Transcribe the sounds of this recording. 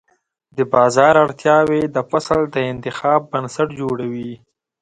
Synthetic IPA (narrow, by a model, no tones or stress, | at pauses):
d̪əbɑzɑːɾaɽt̪jɑwed̪əfasəld̪əɪnt̪ɪxɑːbːansaʈd͡ʒoɽawi